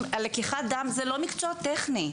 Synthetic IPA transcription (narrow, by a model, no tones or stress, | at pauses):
alekiχad̪amzelo̞mikt͡sot̪eχni